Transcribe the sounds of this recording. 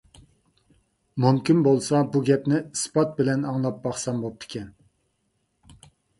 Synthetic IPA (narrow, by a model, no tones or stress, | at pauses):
mumkʲinbolˠsɑbuɡʲɛpnɪspʰɑt̪̚bɪlɛnɑŋlˠɑp̚bɑχsɑmbop̚t̪ʰɪ̥kʲʰɛn